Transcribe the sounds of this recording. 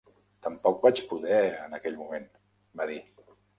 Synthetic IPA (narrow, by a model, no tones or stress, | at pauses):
t̪əmpɔk̚bat͡ʃpuðɛənəkɛʎmumen | baði